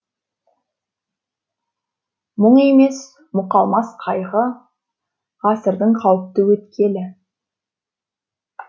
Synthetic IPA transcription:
mʊɴe̞me̞s | mʊqɑlˠmɑsqʰɑjʁə | ʁɑsəɾd̪əɴqʰɑwəp̚t̪əwɵt̪kʲe̞lɪ

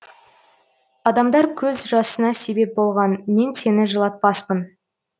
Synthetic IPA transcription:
ɑd̪ɑmd̪ɑɾkʲʰɵzʒɑsənɑse̞be̞p̚bo̞lˠʁɑnme̞nse̞nɪʒəlˠɑt̪̚pɑspən

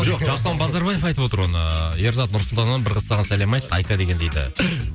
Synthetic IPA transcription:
ʒʒɑst̪ɑnbɑzd̪ɑɾbɑje̞fɑjt̪əpwo̞t̪əɾwo̞nəje̞ɾzɑt̪nʊɾsʊlˠt̪ɑnmɑnbɪɾʁəsːɑʁɑnsælemɑjt̪ːɑjkɑd̪e̞kʲe̞nd̪ejd̪ɪ̰

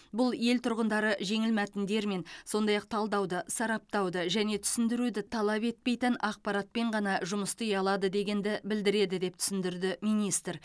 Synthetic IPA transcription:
bʊlˠje̞lt̪ʰʊɾʁənd̪ɑɾəʒe̞ŋɪlmæt̪ɪnd̪e̞ɾme̞nso̞nd̪ɑjɑq̚t̪ʰɑlˠd̪ɑwd̪əsɑɾɑp̚t̪ɑwd̪əʒæne̞t̪ʰʏ̥sɪnd̪ɪɾud̪ɪt̪ʰɑlˠɑpe̞t̪̚pe̞jt̪ɪnʔɑq̚pɑɾɑt̪̚pe̞ɴʁɑnɑʒʊməst̪əjɑlˠɑd̪əd̪e̞ɡʲe̞nd̪ɪbɪld̪ɪɾe̞d̪ɪd̪e̞p̚t̪ʰʏ̥sɪnd̪ɪɾd̪ɪmijnijst̪ɾ

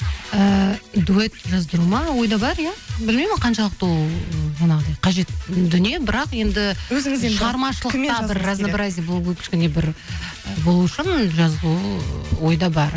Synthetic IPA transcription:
əd̪uet̪ʒɑzd̪əɾumɑwo̞jd̪ɑbɑɾjabɪlmejmɪnqʰɑnʃɑlˠəq̚t̪olˠmɑnɑʁəd̪ɑjqʰɑʒe̞t̪d̪ʏnije̞bɪɾɑqje̞nd̪ɪɵzɪŋɪzeʃəʁɑɾmɑʃəlˠəɑbɪɾːaznabɾazʲijabolˠuwkʲʰɪ̥ʃkʲɪne̞bɪɾ | əbo̞lˠuʊʃɪnʒɑzd̪uwo̞jd̪ɑbɑɾ

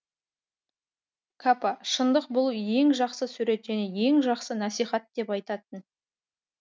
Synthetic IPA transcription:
kʰapɑʃənd̪əqbʊlˠje̞ŋʒɑqsəsʉɾe̞t̪ʒæne̞je̞ŋʒɑqsənæsijχɑt̪̚d̪̥e̞pɑjt̪ɑt̪ən

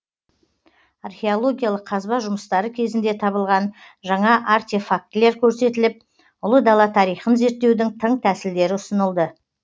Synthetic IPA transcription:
arχʲe̞olˠo̞ɡʲijalˠəqʰːɑzbɑʒʊməst̪ɑɾəkʲʰe̞zɪnd̪e̞t̪ʰɑβəlˠʁɑn | ʒɑɴɑʔart̪e̞fak̚t̪le̞ɾkʲʰɵɾse̞t̪ɪlɪp̚ | ʊlˠəd̪ɑlˠɑt̪ʰɑɾijχənze̞ɾt̪ːe̞wd̪ɪŋt̪ʰəɴt̪ʰæsɪld̪e̞ɾɪʊsənəlˠd̪ə

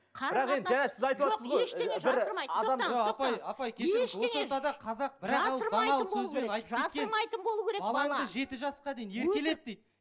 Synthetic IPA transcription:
ɪɾɑqenænesɪzɑjt̪uwosəzʁojʃeeʒɪɾəɾɑjɑd̪ɑmopɑjɑpɑjkʲʰeʃʃoesot̪ɑd̪ɑqʰɑzɑq̚bɪɾɑlˠəɾd̪ɑnɑləsɵzme̞nɑjt̪əpʒɑeskʲeəmɑjt̪ənbolˠuwkʲʰeɾeɑlˠɑɴd̪əʒe̞t̪ɪʒɑsqɑd̪e̞jine̞ɾkʲe̞le̞d̪̚d̪ejd̪

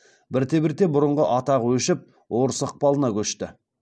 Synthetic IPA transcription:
bɪɾt̪ebɪɾt̪e̞bʊɾəɴʁəʔɑt̪ɑʁəwɵʃɪp̚ | wo̞ɾəsəq̚pɑlˠənɑkʲʰɵʃt̪ɪ

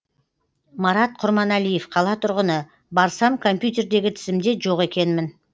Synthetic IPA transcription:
mɑɾɑt̪̚qʰʊɾmɑnælije̞fqʰɑlˠɑt̪ʰʊɾʁənə | bɑɾsɑmkʰo̞mpjut̪̬ʲe̞ɾd̪e̞ɡʲɪt̪ʰɪzɪmd̪e̞ʒo̞ʁe̞kʲe̞nmɪn

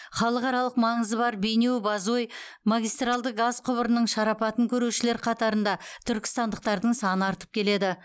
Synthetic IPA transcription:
χɑlˠəqɑɾɑlˠəqmɑɴəzəbɑɾbe̞jnewbɑzojmaɡʲijst̪ralˠd̪əɡazqʰʊbəɾənəɴʃɑɾɑpɑt̪əŋkʲʰɵɾewʃɪle̞ɾqʰɑt̪ɑɾənd̪ɑt̪ʰʏɾkʲɪ̥st̪ɑnd̪əq̚t̪ɑɾd̪əɴsɑnəɑɾt̪ə̥p̚kʲʰe̞le̞d̪ɪ

